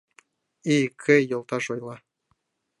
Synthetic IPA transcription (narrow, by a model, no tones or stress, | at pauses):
ikʰːɘ̆jɤ̆lˠt̪ɑʃojlˠɑ